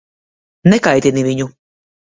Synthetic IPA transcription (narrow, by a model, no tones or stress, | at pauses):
nɛkajt̪iniviɲu